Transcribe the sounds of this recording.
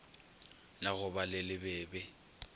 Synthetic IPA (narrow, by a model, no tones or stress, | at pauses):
naɣʊbalɪlɪbɛːbɛ